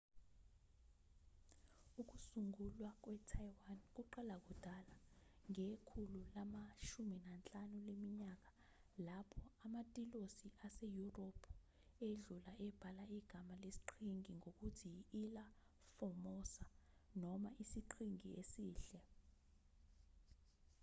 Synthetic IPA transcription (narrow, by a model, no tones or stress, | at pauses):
uk̬usuŋulwak̬wɛtʰajiwank̬uǃɛlak̬ud̥ʱalaŋekʰululamaʃuminant͡ɬʼanulemiɲak̬a | lapʰɔamatʼilosiʔasejuropʰu | eɮulaʔɛb̥ʱalaiɡ̥ʱamalesi̥ǃʰiŋiŋok̬utʰiːla | fɔmɔsanɔmaʔisiǃʰiŋiesiːɬɛ